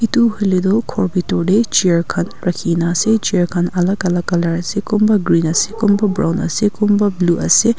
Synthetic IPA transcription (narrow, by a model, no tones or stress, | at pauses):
it̪uɦulid̪okʰoɹbit̪oːɖet͡ʃiɹkʰɐnɾɐkʰiːnaːset͡ʃiɹkʰɐnɐlɐɡɐlɐɡɐlɐɾɐsekumbɐɡɾiːnɐsekumbɐbɾa̰ːwnɐ̰sekumbɐbluːʔɐ̰se